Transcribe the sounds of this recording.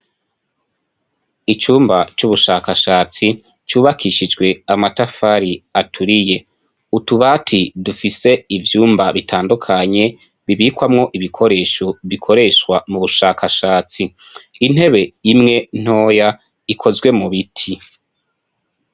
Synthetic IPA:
it͡ʃuːmbat͡ʃuβuʃaːkaʃaːt͡si | t͡ʃuːβakʰiʃid͡ʒɡwe̞amatafaɾiatʰuɾije̞ | utuβaːtʰidufise̞ivjuːmbaβitʰaːndukʰaɲe̞ | βiβiːkwamŋo̞ʔiβikʰo̞ɾe̞ːʃo̞βikʰo̞ɾe̞ʃwamuβuʃaːkaʃaːt͡si | in̥he̞βe̞jimŋe̞n̥o̞ːja | ikʰo̞zɡwe̞muβitʰi

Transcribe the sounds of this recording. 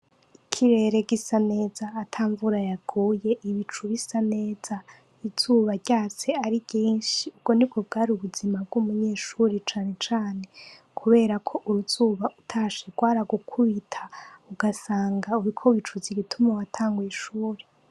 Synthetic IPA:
ikʰiɾe̞ɾe̞ɡisane̞ːzaːtʰaːɱvuɾajaɡuːje̞ʔiβit͡ʃuβisane̞ːz̥a | iz̥uːβaɾɟ̥aːt͡se̞aɾiɡ̥iːnʃiub̚ɡ̥o̞nib̚ɡob̚ɡaːɾiuβuzimab̚ɡ̥umuɲeːʃuɾet͡ʃaːne̞t͡ʃaːne̞ | kʰuβe̞ːɾakʰo̞ʔuɾuz̥uːβaʔutʰaːʃeɡwaːɾaɡukʰuβitʰḁuɡasaːŋɡauɾikʰo̞βit͡ʃuziɡitʰumawatʰaːŋɡwiːʃuːɾe

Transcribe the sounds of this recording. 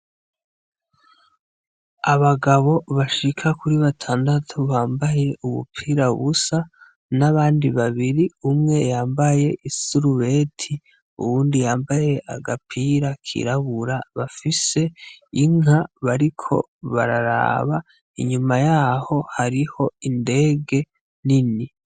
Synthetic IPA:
aβaɡaβo̞βaʃikʰakuɾiβatʰaːndatʰuβaːmbaje̞uβṵpʰiɾaβusa | naβaːndiβaβiɾiumŋe̞jaːmbaje̞ʔisuɾuβe̞tʰi | ṵβuːndijaːmbaje̞ʔaɡapʰiɾakʰḭɾaβuɾaβafise̞iŋaβaɾikʰo̞̰ | βa̰ɾaɾa̰βa | iɲumajaho̞haɾiho̞inde̞ːɡe̞ | nini

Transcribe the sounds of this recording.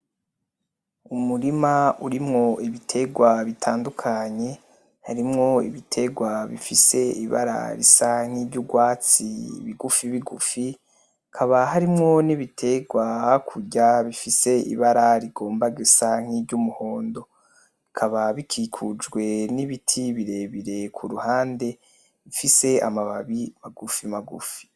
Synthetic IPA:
umuɾimauɾimŋo̞iβitʰe̞ɡwaβitʰaːndukʰaɲe̞ | haɾimŋo̞ḭβitʰe̞ɡwaβḭfise̞ḭβa̰ɾa̰ɾḭsaŋ̥iːbɟuɡwaːt͡siβiɡufiβiɡṵfi | kʰaβaɦaɾimŋo̞niβitʰe̞ɡwakʰuɟaβifise̞ḭβaɾaɾiɡo̞ːmbaɡesaŋ̥ibɟumuho̞ːndo̞ | ikʰaβaβikʰikʰud͡ʒɡwe̞niβitʰiβiɾe̞βiɾe̞kʰuɾuhaːnde̞ | βifise̞a̰maβaβimaɡufimaɡṵfi̥

